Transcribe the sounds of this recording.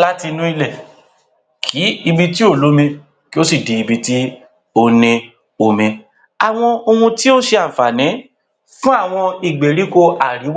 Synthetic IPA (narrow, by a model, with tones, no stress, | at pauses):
la˦ti˧nũ˦i˧lɛ˦˨ | kʰi˨˦i˧bi˧ti˦o˦˨lo˨˦mĩ˧ | ki˦o˦si˦˨di˧i˧bi˧ti˦ | o˦nĩ˧ | o˨mĩ˧ | a˨w̃ɔ̃˧o˧ũ˧ti˦o˦ʃe˧a˨fa˨nĩ˨˦ | fũ˦a˦˨w̃ɔ̃˧i˨ɡ͡be˨ɾi˨˦ko˧a˨ɾi˨˦w